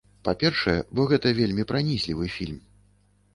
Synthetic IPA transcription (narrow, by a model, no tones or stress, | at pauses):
papʲɛrʂɐjɛbɔɣɛt̪ɐvʲelʲmʲipɾanʲisʲlʲivɨfʲilʲm